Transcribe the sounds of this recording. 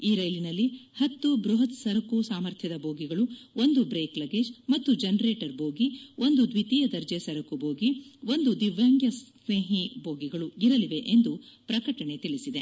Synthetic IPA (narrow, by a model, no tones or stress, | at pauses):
iːɾɐjlinɐlːihɐt̪ːubɾuɦɐt̪sɐɾɐkusaːmɐɾt̪ʰjɐd̪ɐboːɡiɡɐɭuo̞nd̪ubɾeːklɐɡeːd͡ʒmɐt̪ːud͡ʒɐnɾeːʈɐɾboːɡio̞nd̪ud̪ʋit̪ijɐd̪ɐɾd͡ʒeːsɐɾɐkubʱo̞ːɡio̞nd̪ud̪iʋaːŋɡjɐs | neːɦibʱoːɡiɡɐɭuiɾɐliʋe̞ʔend̪upɾɐkɐʈɐɳe̞t̪iɭisid̪e̞